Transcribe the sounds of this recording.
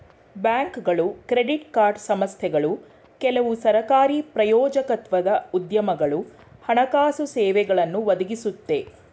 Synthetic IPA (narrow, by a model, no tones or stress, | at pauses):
bjaːŋkɡɐɭukɾeɖiʈkaːɾɖsɐmɐst̪ʰɛɡɐɭu | kɛlɐʋusɐɾɐkaːɾipɾɐjɔːd͡ʒɐkɐt̪ʋɐd̪ɐud̪jɐmɐɡɐɭu | hɐɳɐkaːsusɛːʋɛɡɐɭɐnːuʋɐd̪uɡisut̪ːe̞